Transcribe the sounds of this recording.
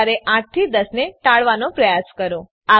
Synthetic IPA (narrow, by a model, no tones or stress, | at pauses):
ɾeʔãʈ̚t̪ʰid̪əsneʈaɭʋanopɾəjaskəɾo | a